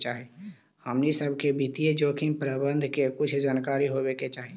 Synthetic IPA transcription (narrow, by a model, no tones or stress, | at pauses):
t͡ʃaːɦe | həmnisəbʱkebʱit̪ied͡ʒoːkʰĩnpɾəbə̃nd̪ʱkekʊt͡ʃʰd͡ʒaːnkaːɾiɦobeket͡ʃaːɦi